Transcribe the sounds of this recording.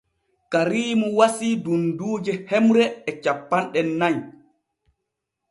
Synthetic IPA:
kaɾiːmuwasiːdunduːd͡ʒɛhɛmɾɛɛt͡ʃapːanɗɛnːaɲ

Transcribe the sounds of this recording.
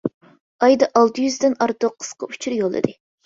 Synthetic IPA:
ɑjd̪ɑʔɑlˠt̪ʰɨjyzd̪ɪnɑɾt̪oqʰːə̥z̥qɑ̰u̥t͡ʃʰuɾjolˠɨ̰d̪ɨ

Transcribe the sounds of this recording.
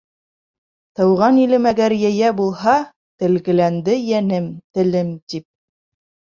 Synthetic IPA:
t̪ɤ̆wʁɑnilɘ̆mæɡæɾjæjæbulˠhɑ | t̪ɘ̆lɡɘ̆lænd̪ɘjænɘmt̪ɘ̆lɘmt̪ip̚

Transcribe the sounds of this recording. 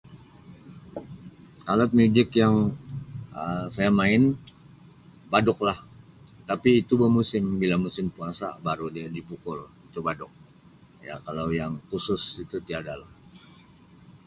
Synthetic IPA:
kalat̪̚mud͡ʒɪkjaŋ | əsajamaɪn | badʊk̚lah | t̪apiːt̪ubəmusɪmbilamusɪmpuaŋsa̰baɾudiadipukʊlit̪ubadʊk̚ | ja̰kalawjaŋkusʊsit̪ut̪iadalah

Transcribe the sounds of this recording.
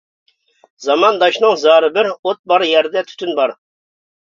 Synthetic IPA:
zɑmɑnd̪ɑʃnɨŋzɑːɾɨbɪɾot̪̚bɑɾjɛɾd̪ɛt̪ʰy̥t̪ynbɑɾ

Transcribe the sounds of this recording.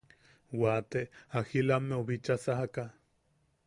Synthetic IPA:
wat̪eahilamːeoβit͡ʃasaɦaka

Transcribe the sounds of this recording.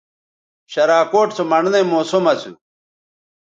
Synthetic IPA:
ɕɐɾaːkoːʈt͡somɐɳnemoːsomɐsṵ

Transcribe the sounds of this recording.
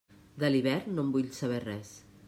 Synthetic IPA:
d̪əliβ̞ɛɾnːombuʎsəβ̞ɛrɛs

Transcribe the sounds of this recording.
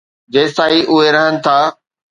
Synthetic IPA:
d͡ʑeːst̪aːɦiʔʊɦeɾɐɦənɪ̆t̪ʰaː

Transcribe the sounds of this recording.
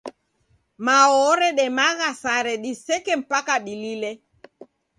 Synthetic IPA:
maɔɾɛɗɛmaɣasaɾɛɗisɛkɛm̩pakaɗililɛ

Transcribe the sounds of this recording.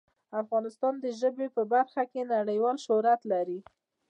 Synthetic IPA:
afɣɑnɪst̪ɑnd̪əʒəbepəbaɾxakenaɽəjwɑlʃʊɾat̪laɾi

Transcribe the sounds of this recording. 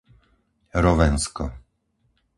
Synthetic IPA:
ɾɔʋɛnskɔ̰

